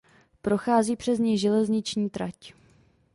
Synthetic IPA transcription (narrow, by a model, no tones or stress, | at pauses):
pɾo̞xaːziːpr̥ɛzɲɛjʒɛlɛzɲɪt͡ʃɲiːt̪ɾac